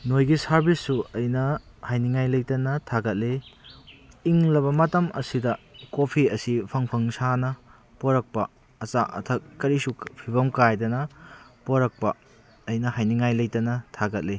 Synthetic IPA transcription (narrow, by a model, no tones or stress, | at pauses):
nojɡisɐɾbisːuɐjnɐhajniŋajlɐjtɐnɐtʰaɡɐt̚le | iŋlɐβɐmɐtɐmʔɐ̰sidɐkopʰiɐsipʰɐŋpʰɐŋsanɐ | poɾɐk̚pɐː | t͡ʃaʔɐ̰tʰɐkːɐɾisupʰiβɐmkajdɐnɐpoɾɐk̚pɐ | ɐjnɐhajniŋajlɐjtɐnɐtʰaɡɐt̚li